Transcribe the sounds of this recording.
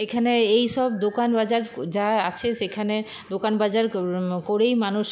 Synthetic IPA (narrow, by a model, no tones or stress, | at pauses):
ekʰaneejʃɔb̚d̪okanbad͡ʑaɾd͡ʑaa̰t͡ɕʰeʃekʰane | d̪okanbad͡ʑaɾkoɾejmanuʃ